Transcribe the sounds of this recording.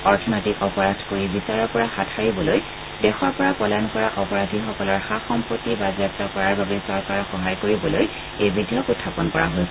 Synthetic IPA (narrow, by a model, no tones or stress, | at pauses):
ɔɹtʰɔnɔjtikɔpɔɹadʱkoɹibisaɹɔɹpɔɹaxatʰaɹibɔloj | dɛxɔɹpɔɹapɔlankɔɹaʔɔpɔɹadʱixɔkɔlɔɹxaxɔmpɹotːibazap̚tɔkɔɹaɹbabɛsɔɹkaɹxɔɦajkoɹibɔloj | ejbidʱijɔkutʰːapɔnkɔɹa̰ɦolsɛ